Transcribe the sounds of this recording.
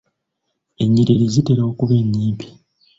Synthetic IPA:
e̞ɲːiɾeɾezite̞ɾookuβe̞ːɲːiːmpi̥

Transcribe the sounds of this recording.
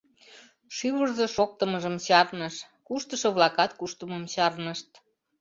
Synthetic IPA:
ʃyβərzɤʃok̚t̪əməʒəmɕɑrnəʃ | kuʃt̪əʃɤ̆βlɑkɑt̪kuʃt̪əməmɕɑrnəʃt̪

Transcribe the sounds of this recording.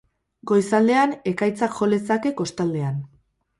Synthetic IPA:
ɡo̞jsald̪e̞ane̞kajt͡sakʝo̞le̞t͡sake̞ko̞st̪ald̪e̞an

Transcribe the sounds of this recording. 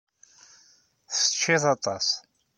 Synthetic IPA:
θə̥t͡ʃʰːiθɑt̪ˤɑ̰s

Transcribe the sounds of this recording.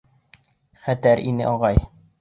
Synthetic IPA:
χæt̪æɾʔinɘ̰ʔɒʁɑj

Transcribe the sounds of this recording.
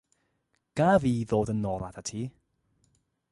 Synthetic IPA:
ɡ̥aviːðoːdənːɔːlˠadatʰiː

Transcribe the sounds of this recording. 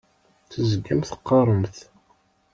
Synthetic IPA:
θəzəɡːæmθə̥qːɑɾˤəmθ

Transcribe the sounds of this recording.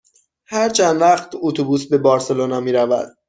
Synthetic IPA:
hæɾt͡ʃʰænd̪væχt̪ʰot̪ʰubuːsbe̞bɒːɾse̞lonɒːmiːɾævæ̰d̪̥

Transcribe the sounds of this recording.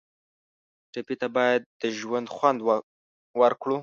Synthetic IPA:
ʈapit̪abɑjad̪ːəʒwand̪xwand̪ | wəɾkɽu

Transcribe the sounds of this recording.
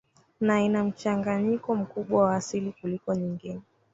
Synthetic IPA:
nainam̩t͡ʃaŋɡaɲikɔm̩kuɓwawaːsilikulikɔɲiŋɡinɛ

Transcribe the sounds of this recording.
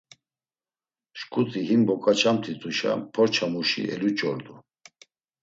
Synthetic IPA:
ʃkʼut̪ʰʼiɦimbɔkʼat͡ʃʰamt̪ʰit̪ʰʼuʃa̰pʰɔɾt͡ʃʰamuʃḭʔɛ̰lut͡ʃʼɔɾd̪u

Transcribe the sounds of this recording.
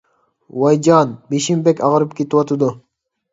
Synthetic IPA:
wɑjd͡ʒɑːnbiʃimbekʲɑʁɾɯpkʲit̪wat̪ud̪u

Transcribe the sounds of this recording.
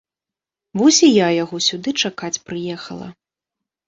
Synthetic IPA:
buzʲijajaɣɔsʲud̪ɨt͡ʂakat͡sʲpɾɨjɛxɐ̰lˠɐ̰

